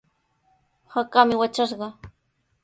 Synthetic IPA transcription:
hakamɪwat͡ʃaʃɢɑ

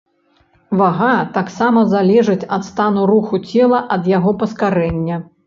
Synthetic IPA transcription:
vaɣat̪aksamɐzalʲɛʐɨt͡sʲɐt̪st̪anuɾuxut͡sʲɛlˠɐʔɐd̪jaɣɔpɐskaɾɛnʲːɐ

